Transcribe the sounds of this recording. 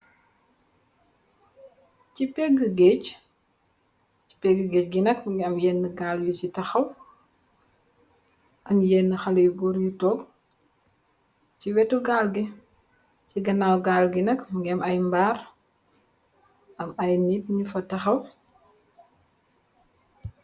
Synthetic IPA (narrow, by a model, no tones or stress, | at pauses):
cipɛɡːəɡec | ci̥pɛɡəɡɛːc̚ɡinɐkmuɡiɐmjɛnːəɡaːljucitɐxɐw | ʔɐmjɛnːəxɐlɐjuɡɔɾjutɔɡ | ciwɛtuɡalɡi | ciɡɐnaːwɡaːlɡinɐkmuɡiɐmɐjmbaːɾ | ʔɐmɐjnitɲufɐtɐxɐw